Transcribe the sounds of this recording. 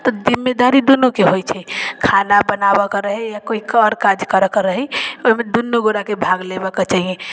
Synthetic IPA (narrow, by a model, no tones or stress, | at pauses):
t̪ɔd͡ʒimːed̪aɾid̪onokeɦojt͡ʃʰɛkʰanabənabɔkɾəɦɛjakoikəɾkad͡ʒkəɾəkəɾəɦɛoimed̪unːoɡoɾakebʱaɡlebəket͡ʃaɦijẽ